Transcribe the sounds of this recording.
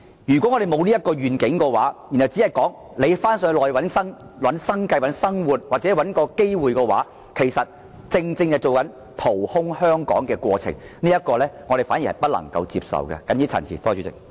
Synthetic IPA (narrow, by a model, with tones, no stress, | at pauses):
jyː˨˩kɔ˨˥ŋɔː˨˧e˨jmo˨˧wliː˥jɐ˥t̚kɔː˧ɥyː˨˩nkɪ˨˥ŋkɔː˧wa̰ː˨˦˥ji˨˩nhɐ˨wt͡si˨˥hɐ˨˩jkɔː˨˥ŋ | le˨˧jfaː˥nsœː˧lɔː˨˩jwɐ˨˥nsɐ˥ŋ | wɐ˨˥nsɐ˥ŋkɐ˧jwɐ˨˧˥nsɐ˥ŋwuː˨˩t̚waː˨t͡sɛ˨˦˥wɐ˨˥nkɔː˧ke˥jwuː˨jkɛː˧waː˨˥ | kʰe˨˩jsɐ˨t̚ | t͡sɪ˧ŋt͡sɪ˧ŋjɐ˨jt͡so˨wkɐ˨˥n | t̪ʰo˨˩whʊ˥ŋhœː˥ŋkɔ̰ː˨˥ŋkɛː˧kwɔː˧t͡sʰɪ̰˨˩ŋniː˥ɐ˥t̚kɔː˧lɛː˥ŋɔː˨˧ɾe˨jfa˨˥ni˨˩hɐ̰˨jpɐ˥t̚lɐ̰˨˩ŋkɐ̰˧wt͡sḭː˧p̚sɐ̰˨wkɛ̰˧kɐ˨˥njiː˥t͡sʰɐ̰˨˩nt͡sʰiː˨˩t̪ɔː˥t͡ʃʰyː˨˥t͡sɪ̰˨k̚